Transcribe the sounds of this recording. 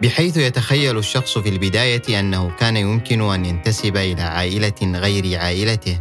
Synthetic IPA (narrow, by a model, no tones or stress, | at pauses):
bɪħajθʊjat̪axajːalaʃːɑxsˤfilbɪd̪aːjaʔanːahʊkaːnajʊmkɪnʊʔanjant̪asɪbaʔɪla̰ːʕa̰ːʔɪlaɣajɾɪʕaːʔɪlat̪ɪh